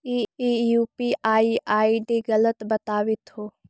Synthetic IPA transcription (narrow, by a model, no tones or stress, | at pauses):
iijupiaːiʔaːiɖiɡɐlət̪bɐt̪aːʋit̪hoː